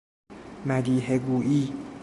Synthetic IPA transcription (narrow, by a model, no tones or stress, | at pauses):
mæd̪iːɦeɡuːʔiː